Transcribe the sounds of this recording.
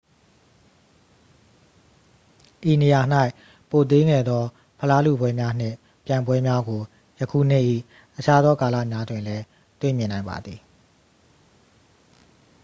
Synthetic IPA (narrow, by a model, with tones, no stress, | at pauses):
ʔi˨ne˨ja˨n̥a˦ɪʔ | po˨t̪̬e˦ŋɛ̰˦˨d̪ðɔ˦ | pʰə˨la˦lṵ˦˨bwɛ˦mja˦n̥ɪ̰̃˦˨ | pjã˨ɪ̃mbwɛ˦mja˦ɡo˨ | jə˨kʰṵ˦˨n̥ɪ˦˨ʔḭ˦˨ | ʔət͡ɕʰa˦d̪ðɔ˦ka˨la̰˦˨mja˦dwɪ̃˨nlɛ˦ | t̪wḛ˦˨mjɪ̃˨nã˨ɪ̃mba̰˨d̪ði˨